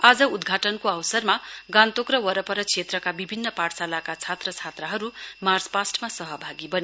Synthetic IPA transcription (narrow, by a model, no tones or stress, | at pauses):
ad͡zʌud̪ɡʱaʈʌnkoʌwsʌrmaɡãnt̪okrʌwʌɾʌpʌɾʌt͡sʰet̪rʌkabibʱinːʌpaɽsalakat͡sʰat̪rʌt͡sʰat̪rʌɦʌɾumard͡zpasʈmasʌɦʌbʱaɡibʌni